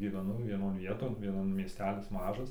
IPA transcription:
ɡʲiːʋʲɛˈnɐʊ ʋʲiɛˈnoːn ˈʋʲiɛtoːn ˈʋʲiɛnoːn mʲiɛˈsʲtʲæːlʲɪs ˈmɑːʒɐs

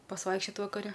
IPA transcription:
pɐsˈʋɐɪkʃʲt͡ʃʲoːt ʋɐkɐˈrʲɛ

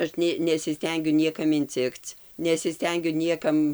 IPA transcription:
ˈɐʃ nʲeː nʲɛsʲɪˈsʲtʲɛŋʲɡʲʊ ˈnʲiɛkɐm ɪnʲˈt͡sʲɪkt͡s nʲɛsʲɪˈsʲtʲɛŋʲɡʲʊ ˈnʲiɛkɐm

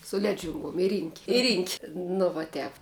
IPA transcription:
sʊ ˈlʲæːd͡ʒʲʊŋɡuɔm ɪ rʲiːŋʲkʲ ɪ rʲiːŋʲkʲ nʊ ʋɐ ˈtʲɛp

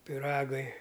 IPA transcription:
pʲɪˈrɑːɡɐɪ

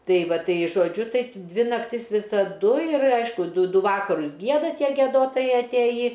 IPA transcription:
ˈtɐɪ ˈʋɐt ˈtɐɪ ʒoːˈd͡ʒʲʊ ˈtɐɪ ˈdʲʋʲɪ nɐkˈtʲɪs ʋʲɪsɐˈdʊ ɪr ˈɐɪʃkʊ ˈdʊ ˈdʊ ˈʋɑːkɐrʊs ˈɡʲiɛdɐ ˈtʲiɛ ɡʲiɛdoːˈtoːjɛɪ ɐtʲˈeːjiː

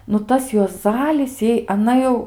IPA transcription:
nʊ ˈtɐs juɔˈzɑːlʲɪs ˈjɛɪ ɐˈnɐ jɛʊ

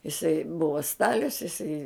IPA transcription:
ɪˈsɐɪ ˈbʊʋɐ ˈstɑːlʲʊs ɪˈsɐɪ

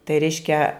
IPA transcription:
tɐɪ ˈrʲɛɪʃʲkʲɛ

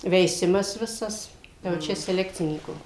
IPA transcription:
ʋʲɛɪˈsʲɪmɐs ˈʋʲɪsɐs jɛʊ ˈt͡ʃʲɛ sʲɛˈlʲæːkt͡sʲɪnʲiːkuː

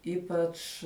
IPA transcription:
ˈiːpɐt͡ʃ

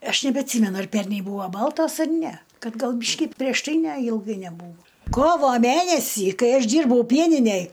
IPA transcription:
ˈɐʃ nʲɛbʲɛɐtʲˈsʲiːmʲɛnʊ ɐr ˈpʲɛrʲnʲɛɪ ˈbuːʋoː ˈbɐlˠtoːs ɐr ˈnʲɛ ˈkɐt ˈɡɐlˠ ˈbʲiːʃʲkʲɪ pʲrʲiɛʃ ˈtɐɪ ˈnʲɛ ɪlˠˈɡɐɪ nʲɛˈbuːʋoː ˈkoːʋoː ˈmʲænʲɛsʲiː ˈkɐɪ ˈɐʃ ˈdʲiːrbɐʊ ˈpʲiɛnʲɪnʲɛj

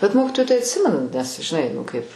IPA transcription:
bʲɛt ˈmoːkʲɪtoːjʊ tɐɪ ɐtʲˈsʲɪmʲɛnʊ nʲɛs ʒʲɪˈnɐɪ nʊ ˈkɐɪp

